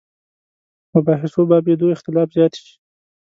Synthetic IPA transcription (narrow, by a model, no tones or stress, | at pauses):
mʊbɑɦɪsobɑbed̪oɪxt̪ɪlɑfzjɑt̪ʃi̥